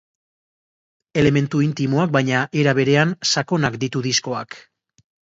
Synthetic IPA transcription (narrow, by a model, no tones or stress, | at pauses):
e̞le̞me̞nt̪uint̪imoak̚bajɲaʔeɾaβ̞e̞ɾe̞ansako̞nakd̪it̪uðisko̞a̰k